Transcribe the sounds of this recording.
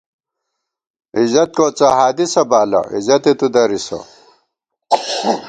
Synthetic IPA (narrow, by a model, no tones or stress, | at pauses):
izɐt̪̚koːt͡saɦaːd̪isɐbaːlɐ̰ḭzɐt̪et̪ud̪ɐɾisɐ̰